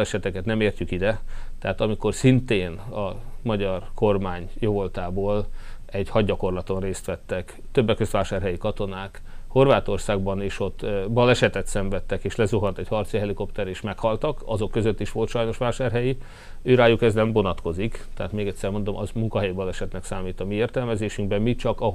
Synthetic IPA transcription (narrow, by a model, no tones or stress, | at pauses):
lɛʃɛt̪ɛkɛt̪nɛmeːrcykid̪ɛt̪ɛɦaːt̪ɒmiko̞rsint̪eːnɒmɒɟɒrko̞rmaːɲjovo̞lt̪aːboːlɛɟhɒɟːɒko̞rlɒt̪o̞nreːst̪ʋɛt̪ːɛk | t̪øbːɛkːøst̪ʋaːʃaːrɦɛjikɒt̪o̞naːk | ho̞rʋaːt̪o̞rsaːɡbɒneːʃo̞t̪ːbɒlɛʃɛt̪ɛt̪sɛɱvɛt̪ːɛkeːʃlɛzuɦɒnt̪ɛɟhɒrt̪siɦɛliko̞pt̪ɛɾeːʃmɛkhɒlt̪ɒkɒzo̞kːøzøt̪ːiʃʋo̞lt̪ʃɒjno̞ʃʋaːʃaːrɦɛji | øːɾaːjukɛznɛmvo̞nɒt̪ko̞zikt̪ɛɦaːt̪meːɡɛt̪ʲsɛrmo̞nd̪o̞mɒzmuŋkɒɦɛjibɒlɛʃɛt̪nɛksaːmiːt̪ɒmieːrt̪ɛlmɛzeːʃyŋɡbɛmmit͡ʃɒkɒ